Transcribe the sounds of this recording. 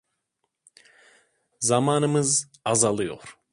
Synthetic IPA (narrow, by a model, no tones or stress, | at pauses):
zamaːnɯmɯz | azalˠɯjo̰ɾ̥